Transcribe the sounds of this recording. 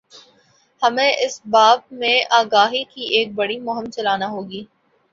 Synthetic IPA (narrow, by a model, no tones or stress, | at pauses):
hɐmẽʔɪsbaːb̚mẽʔaːɡaːɦikiʔeːk̚bɐɽimʊɦɪmt͡ʃɐlaːnaɦoːɡiː